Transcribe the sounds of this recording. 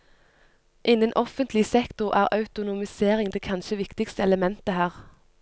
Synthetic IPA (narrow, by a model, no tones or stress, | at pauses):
ʔɪnːənʔɔfənt̪lɪsɛkt̪ʊʁʔæːʁɑʉt̪ʊnʊmɪseːʁɪŋd̪eːkʰɑnʃəʋɪkt̪ɪkst̪əɛləmɛnt̪əhæːʁ